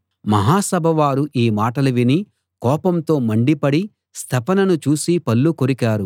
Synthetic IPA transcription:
mɐɦaːsɐbʱɐʋaːɾuʔiːmaːʈɐlɐʋini | kɔːpɐmt̪o̞ːmɐɳɖipɐɽi | st̪ʰɐpɐnɐnut͡ʃuːsipɐlːukoɾikaːɾu

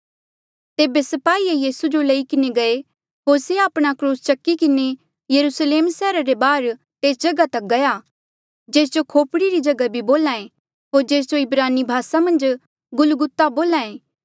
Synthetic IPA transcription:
t̪eːbesɐpaːiejiːsud͡ʒolɐikɪneɡɐe | ɦoːɾseaːpɽ̃akɾuːst͡ʃɐkːikɪne | jɐɾusleːmsɛːɾaɾebaːɾ | t̪eːsd͡ʒɐɡat̪ɐk̚ɡɐja | d͡ʒeːs̬d͡ʒokʰoːpɽiɾid͡ʒɐɡabʱiboːlãːẽ | ɦoːɾd͡ʒeːs̬d͡ʒoɪbɾaːnibʱaːsamɐ̃nd͡ʒ | ɡʊlɡʊt̪ːaboːlãːẽː

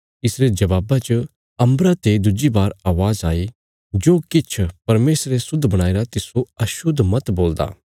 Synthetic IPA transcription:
ɪsɾed͡ʒɐʋaːbat͡ʃə | ɐ̃mbɾat̪ed̪ʊd͡ʒibaːɾaːʋaːzaːi | d͡ʒoːkɪt͡ʃʰpɐɾmeːsɾesʊd̪ʱːbɐɽ̃aːeːɾat̪ɪsoɐʃʊd̪ʱmɐt̪boːld̪a̰ː

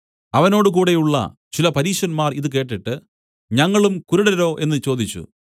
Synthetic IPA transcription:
ɐʋɐno̞ːɽɨk̬uːɽe̞juɭːɐ̰ | t͡ɕilɐpɐɾiːʂɐnmaːriðɨk̬e̞ːʈːiʈːɨ | ɲɐŋːɐɭumkuɾuɽɐɾo̞ːʔe̞nːɨt͡ɕo̞ːd̪it͡ɕːṵ

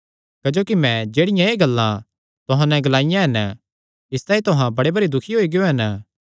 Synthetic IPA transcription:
kɐd͡ʒoːkimɛ̃d͡ʒeːɽɪjãeɡɐlːã | t̪ʊɦãnɛ̃ɡɐlaːɪjãɦɐnə | ɪst̪ãːĩt̪ʊɦãbɐɽebɐɽid̪ʊkʰiɦoːiɡɪjoɦɐnə

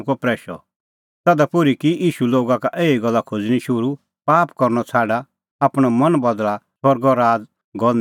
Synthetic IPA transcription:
kɔpɾɛːʃɔ̰ | t̪ɛːd̪apʊɾikiiːʃuloːɡakaʔeːiɡɐlːakʰod͡zɽ̃ĩʃʊɾu | paːpkɔɾnɔt͡sʰaːɖa | aːpɽ̃ɔmɐnbɐd̪lasɔɾɡɔɾaːd͡z | ɡɔ

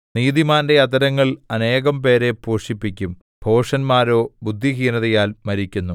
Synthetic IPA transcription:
niːðimaːnde̞ɐd̪ɐɾɐŋːɐɭɐne̞ːɣɐmpe̞ːɾe̞poːʂipːikʲːum | b̥ʱo̞ːʂɐnmaːɾo̞ːbud̪ʱːiɦiːnɐðɐjaːlmɐɾikʲːunːu

